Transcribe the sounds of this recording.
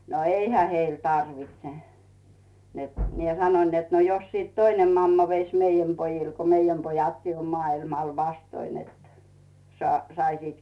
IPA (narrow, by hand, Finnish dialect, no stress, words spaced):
no eihæ heil tɑrʋitse net mie sɑnoĭn net no jos siˑt toinem mɑmːɑ ʋeis meijæm pojil ko meijæm pojɑtkiː om mɑːilmɑl ʋɑstoin net sɑ sɑisit